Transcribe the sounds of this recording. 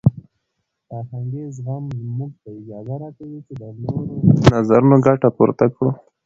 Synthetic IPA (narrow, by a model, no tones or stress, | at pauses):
aɦaŋɡezɦammuɡ̚t̪aid͡ʒɑd̪aɾakawit͡ʃed̪ənoɾonazaɾunoɡaʈapṵɾt̪akɽo